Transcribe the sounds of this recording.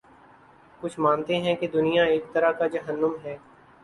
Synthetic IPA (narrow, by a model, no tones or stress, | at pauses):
kʊt͡ʃʰmãːnt̪eɦɛ̃ked̪ʊnijaeːk̚t̪ɐɾakad͡ʒɐɦənːəmɦɛː